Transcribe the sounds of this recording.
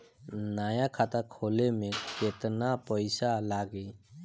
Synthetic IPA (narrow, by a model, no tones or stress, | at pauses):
najakʰat̪akʰɔlemɛkɛt̪napɔjsalaɡɛ